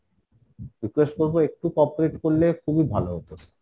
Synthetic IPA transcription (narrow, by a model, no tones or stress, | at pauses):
ɾikwesʈ̚koɾboek̚ʈukɔpoɾeʈkoɾlekʰubibʱaloɦop̪oɾ